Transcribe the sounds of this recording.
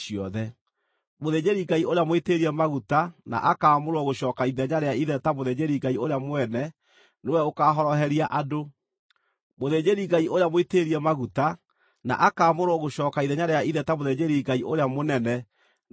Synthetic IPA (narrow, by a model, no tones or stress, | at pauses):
iɔðɛ | moðeːd͡ʑeɾiɡaioɾeamweteɾiɛmaɣutana̰ʔakaːmoɾoɔɣoɕɔːkaiðɛɲaɾeaiðɛtamoðed͡ʑeɾiɡaioɾeamwɛnɛ | newɛokaːɦɔɾɔɦɛɾiaʔado | moðeːɲeɾiɡaiʔoɾeamweteɾiɛmaɣuta | na̰ʔakaːmoɾoɔɣoɕɔːkaiðɛɲaɾeaiðɛtamoðeɲeɾiɡaiʔoɾeamonɛnɛ